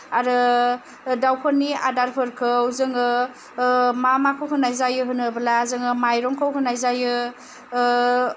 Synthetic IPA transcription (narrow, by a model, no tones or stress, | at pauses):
aɾɯ | dawkʰɯnia̰daɾpʰɯɾkʰɯwzɯŋɯ | mamakʰɯwkʰɯnajzajɯɦɯnɯbɯlazɯŋɯmajɾɔŋkʰawkʰɯnajzajɯ